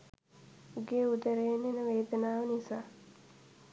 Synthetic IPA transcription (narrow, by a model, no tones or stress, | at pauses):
uɡeːud̪əɾenenəʋeːd̪ənaːʋənisaː